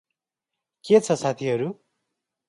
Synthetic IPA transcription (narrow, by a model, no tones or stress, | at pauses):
ket͡sʰʌsat̪ʰiɦʌɾu